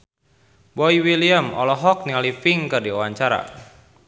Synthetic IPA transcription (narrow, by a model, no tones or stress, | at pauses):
bɔiwiliəmɔlɔɦɔk̚niŋalifiŋkɨrdiɔwaɲt͡ʃaɾa̰